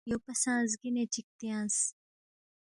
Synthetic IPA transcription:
joːpɐsãːzɡinẽt͡ʃʰik̚t̪ijãːs

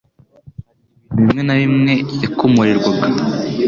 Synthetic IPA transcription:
βimŋe̞naβimŋe̞jakomuɾiɾɡwaɡa

